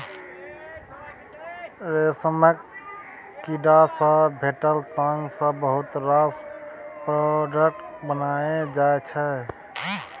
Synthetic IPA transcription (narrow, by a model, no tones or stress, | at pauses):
ɾesəmək | kiɖasə̃bʱeʈəlt̪əŋɡsə̃bəɦut̪ɾaspɾoɖək̚ʈbənaed͡ʒaet͡ʃʰɛ